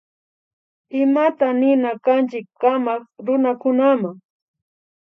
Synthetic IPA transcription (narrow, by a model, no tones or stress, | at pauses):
ɪmat̪anɪnakant͡ʃɪkːamɑkɾʊnakʊnamaŋ